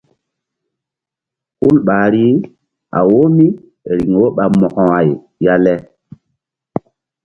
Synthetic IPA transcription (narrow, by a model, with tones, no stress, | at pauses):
hu˦lɓaː˨ɾi˦ | a̰˨wo˦mi˦ | ɾi˨ŋwo˦ɓa˨mɔ˨kɔ̃˨wa˨j | ja˦lɛ˦